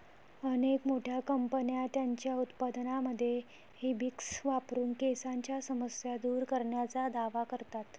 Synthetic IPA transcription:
ənekmoʈʰjakəmpənijat̪jaɲt͡ɕjaut̪pad̪naməd̪ʱːje | hebiksʋapɾuːnkesaɲt͡ɕjasəməsjad̪uːɾkəɾɳjat͡sad̪aʋakəɾt̪at̪

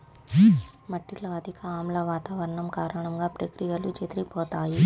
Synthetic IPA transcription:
mɐʈːiʈlɐɐd̪ʱikaːmlɐʋaːt̪aːʋɐɾɐɳɐmkaːɾɐɳɐmɡaːpɾekɾijɐlut͡ʃet̪ɾipɔːt̪aːji

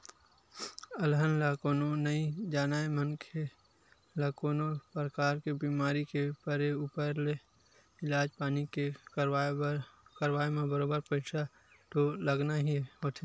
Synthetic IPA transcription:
əlɦənlakoːnonəid͡ʒaːnaːemənkʰe | lakoːnopɾəkaːɾkebiːmaːɾikepəɾeuːpəɾle | ɪlaːd͡ʒpaːnike | kəɾʋaːemẽbəɾoːbəɾpəɪt͡ʃʰa | ʈ̪oləɡnaɦiɦoːt̪ʰe

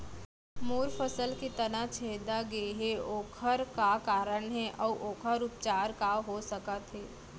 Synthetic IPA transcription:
moːɾfəsəlkit̪ənat͡ʃʰeɦd̪aɡeɦeoːkʰəɾkakaːɾəɳɦɛʔɔːʔoːkʰəɾʊp̚t͡ʃaːɾkaɦosəkət̪ɦɛː

